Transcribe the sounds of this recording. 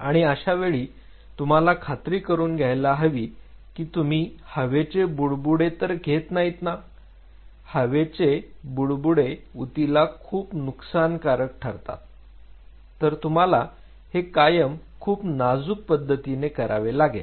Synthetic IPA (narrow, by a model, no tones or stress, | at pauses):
aɽ̃iəɕaʋeɭiː | t̪um̤alakʰat̪ɾiːkəɾuːnɡʱjajlaɦəʋiːkiːt̪um̤iːhəʋet͡sebuɭbuɽet̪əɾɡʱet̪naɦit̪na | həʋet͡sebuɽbuɽeut̪ilakʰuːpnuksankaɾək̚ʈʰaɾt̪a̰ | t̪əɾt̪um̤ala | hekajəmkʰuːpnad͡zuk̚pəd̪ʱːət̪inekəɾʔa̰ʋelaɡḛ